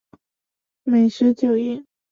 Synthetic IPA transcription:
me˨˩ɪʂɻ̩˧˥t͡ɕjo˨˩ʊi˥˩n

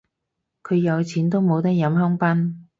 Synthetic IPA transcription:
kʰɵ˨˧ɥjɐ˨˧wt͡sʰiː˨˥nt̪o˥wmo˨˧wt̪ɐ˥k̚jɐ˨˥mɦœ˥ŋpɐ˥n

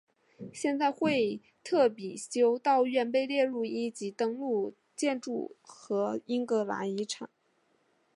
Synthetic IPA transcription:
ɕjɛ˥˧nt͡sa˥˧ɪxwe˥˧ɪ | t̪ʰɤ˥˩pi˨˩ɕjo˥ʊt̪ɑ˥˧ʊɥɛ˥˧npe˥˧ɪljɛ˥˧ɻu˥˩i˥t͡ɕi˧˥t̪ɤ˥ŋlu˥˩ | t͡ɕjɛ˥˧nʈ͡ʂu˥˩xɤ˧˥i˥ŋkɤ˧˥la̰˧˥i˧˥ʈ͡ʂʰa̰˨˩˦n

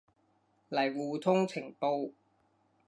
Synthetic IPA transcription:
lɐ˨˩jwuː˨t̪ʰʊ˥ŋt͡sʰɪ˨˩ŋpo˧w

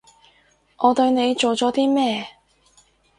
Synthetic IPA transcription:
ʔɔː˨˧t̪ɵ˧ɥne˨˧jt͡ʃo˨wt͡sɔː˨˥t̪iː˥mɛː˥˧

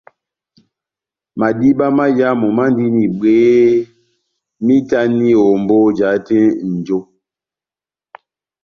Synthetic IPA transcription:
ma˨di˦ba˦ma˦ja˦mɔ˨ma˦n˦di˦ni˨ɓeː˨˦ | mi˦ta˦ni˦o˨m˨bo˦d͡ʒa˨˦te˦n̩˨d͡ʒo˦

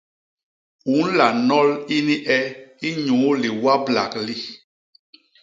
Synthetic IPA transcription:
u˨˦n˦la˨nɔ˦li˦ni˦ʔɛ˦i˦ɲu˨˦li˨wa˦bla̰˨kli˦

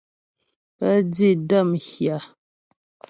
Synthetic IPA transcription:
pə˦d͡zi˦˨də˦˨mxja˨

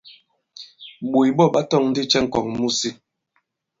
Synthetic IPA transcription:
ɓo˨jɓɔ˦˨ɓa˦tɔ˦˨ŋn̩˦di˦t͡ʃɛ˦ŋ̩˨kɔ˨ŋmu˦˨si˦

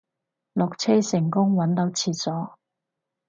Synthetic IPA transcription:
lɔ˨k̚t͡sʰɛː˥sɪ˨˩ŋkʊ˥ŋwɐ˨˥nt̪o˨˥wt͡sʰiː˨˧t̚t͡sɔː˨˥

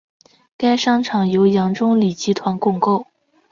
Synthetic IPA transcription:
ka˥ɪʂɑ˥ŋʈ͡ʂʰɑ˨˩ŋjo˧˥ʊjɑ˧˥ŋʈ͡ʂʊ˥ŋli˨˩t͡ɕi˧˥t̪ʰwa˧˥nkʊ˥˧ŋko˥˩ʊ

